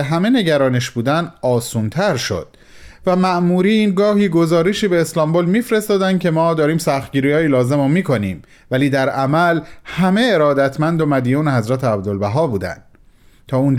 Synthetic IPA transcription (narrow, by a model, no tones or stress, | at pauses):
ɦæme̞ne̞ɟæɾɒːneʃbuːd̪ænɒːsuːnt̪ʰæɾʃo̞̰d̪̥ | væmæʔmuːɾiːnɡɒːhiːɡo̞zɒːɾeʃiːbe̞ːslɒmbolmiːfɾe̞st̪ɒːd̪ænd̪̚cʰe̞mɒːd̪ɒːɾiːmsæxt̪̚ɡɟiːɾiɒːjiːlɒːze̞momiːkʰo̞niːm | væliːd̪æɾæmælhæme̞eɾɒːd̪æt̪ʰmænd̪o̞mæd̪ijuːneɦhæzɾæt̪ʰeæb̚d̪o̞lbæɦɒːbuːd̪æ̰nd̪̥ | t̪ʰɒːuːn